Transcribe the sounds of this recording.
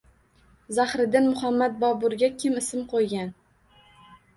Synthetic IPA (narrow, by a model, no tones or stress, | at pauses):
zahɾɪd̪ɪnmʊhamːat̪̚bɒbʊɾɡʲakʲʰɪmɪsɪmqʰojɡʲan